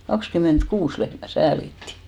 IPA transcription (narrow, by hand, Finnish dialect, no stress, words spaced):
kɑkskymˑentkuːs lehmæ sæːlitːi